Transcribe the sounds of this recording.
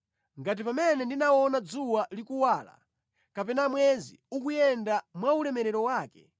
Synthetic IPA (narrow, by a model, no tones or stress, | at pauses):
ŋɡat̬ipamɛnɛndinawɔnad͡zuwalikuwaːla̰ | kapɛnamwɛzḭukujɛndamwaulɛmɛɾɛɾɔwaːkɛ̥